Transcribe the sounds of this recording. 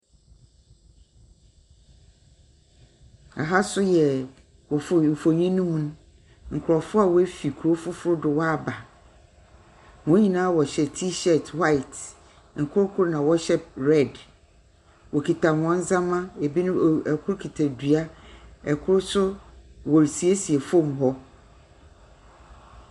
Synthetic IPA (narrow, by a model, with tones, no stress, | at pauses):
a̰˨ɦa˦sʊ˦jɛ˨ | wɔ˨fm̩˨fo˨ɲĩ˦nũ˦mũ˦ñ˦ | ŋ̩˨kʰʊ˨ɾɔ˨fʊ˦a˨wɔ˦æ˦fi˨kʰu˨ɾo˦fʊ˦fʊ˦ɾʊ˦dʊ˨wɔ˦a˨ba˨ | wɔ̃˦ɲĩ˨nãː˦wɔ˨ɕɛ˨tʰi˦ɕɛ˨twa˦ɪ˨t | ŋ̩˨kʰʊ˦ɾʊ˦kʰʊ˦ɾnã˨wɔ˦ɕɛ˦ɾɛ˦˨d | wɔ˨kʰi˨tʰa˨w̃ɔ̃˦n˦zã˦mã˦e˨bi˦nʊ̃˦˨ɛ˨kʰʊ˦ɾkʰi˨tʰa˨dɥa˦ɛ˨kʰʊ˦ɾʊ˦sʊ˦wɔ˨ɾsi˨e˦si˨ɛ˨fõ˦mɦɔ˦